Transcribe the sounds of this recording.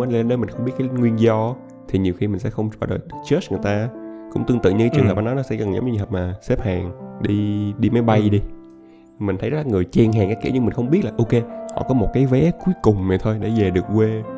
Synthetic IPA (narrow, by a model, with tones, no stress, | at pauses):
n˧le˧nəː˧˦mï̟˨˩xə˧wŋ͡mɓi˦˥t̚kːaː˨˦ŋwi˧ənzɔ˧ | t̪ʰi˨˩ɲi˨˩wxi˧mï˨˩ŋ̟sɛ̰˧˥xə˧wŋ͡mɔː˧˩˦ɗə̰˨˩t̪t͡ɕə˦˥sŋ˨˩jt̪aː˧kʊ̰˧˥ŋ͡mt̪ɨ˧ŋɨ̰˧˨ɲɨ˧˦t͡ɕɨ˨ŋɦəː˨˩ɓnɔ˨˦nɔ˨˦sɛ̰˧kə˨˩ŋzɔ˨˦ŋ͡mɲ˧˨ɦəː˨˩p̚maː˨˩se˦˥p̚haː˨˩ŋɗi˧ɗi˧ma˨˦jɓa˧jɗi˧˨ | mï̟˨˩t̪ʰə˨˦jzə˦˥laː˨˩ŋɨ˨˩əjt͡ɕɛ˧˩ŋɦaː˨˩ŋkaː˨˦˥kḭ˧˥˩ɲɨ˧mï˨˩ŋ̟xə˧wŋ͡mɓi˦˥t̚laː˨˩ʔo˧ke˧hɔ̰˧˨kɔ˨˦mo˨˩t̚kaː˨˦jvɛ˨˦ku˨˦əkʊ˨˩ŋ͡mme˨˩t̪ʰo˧jɗe˧˩ze˨˩ɗɨ˨˩ək̚kwe˧